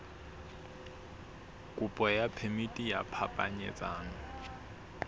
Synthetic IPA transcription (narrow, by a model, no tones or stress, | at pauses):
kʼupʼɔjapʰemitʼija̰pʰapʼa̰ɲɛ̰t͡sʼaːŋɔ